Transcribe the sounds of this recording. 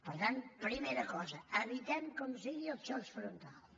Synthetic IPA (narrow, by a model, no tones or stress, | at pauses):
pəɾt̪anpɾimeɾəkɔzəəβit̪ɛmkomsiɣiəlˠt͡ʃɔsfɾunt̪alˠ